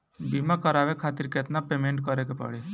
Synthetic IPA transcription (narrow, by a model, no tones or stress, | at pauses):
bimakəɾaʋekʰaːt̪iɾket̪napemeɳʈkəɾekepə̰ɽi